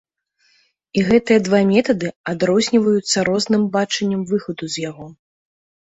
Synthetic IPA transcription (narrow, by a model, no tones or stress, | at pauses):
iɣɛt̪ɨjɐd̪vamʲɛt̪ɐd̪ɨad̪ɾɔzʲnʲivɐjut̪sːɐɾɔznɨmbat͡ʂɐnʲːɐmvɨxɐd̪uzʲjaɣɔ